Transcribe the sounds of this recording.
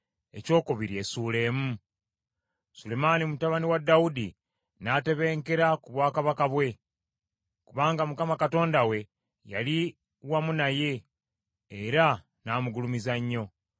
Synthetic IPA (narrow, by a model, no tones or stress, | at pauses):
e̞̰co̞ːkoβiɾie̞suːle̞ːmu | sule̞manimutaβaniwadːaudi | nate̞βe̞ːŋke̞ɾakuβwaːkaβakaβwe̞ | kuβaːŋɡamukamakato̞ːndawe̞ | ja̰li | wamunaje̞ː | ɾa | naːmuɡulumizaɲːo̞